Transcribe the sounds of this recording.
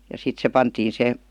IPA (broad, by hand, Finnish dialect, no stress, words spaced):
jɑ sit se pɑntiːn se